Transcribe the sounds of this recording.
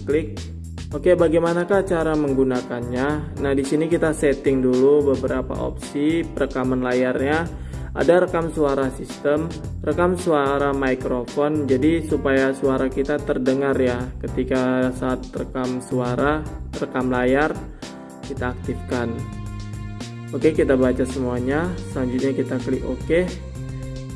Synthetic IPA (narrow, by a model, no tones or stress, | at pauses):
klɪk̚ | okebaɡajmanakaht͡ʃaɾaməŋɡunakanɲanahdisinikit̪asɛt̪ɪŋdulubəbəɾapa̰ʔo̰p̚sipəɾəkamanlajarɲa | ʔa̰daɾəkamsuaɾasist̪əm | rəkamsuaɾamajkɾofɔnd͡ʒadisupajasuaɾakit̪at̪ərdəŋarjakət̪ikasaːt̪̚rəkamsuaɾarəkamlajar | kit̪aːk̚t̪ifkan | okekit̪abat͡ʃasəmuaɲasəlaɲd͡ʒut̪̚ɲakit̪akəliʔʔoke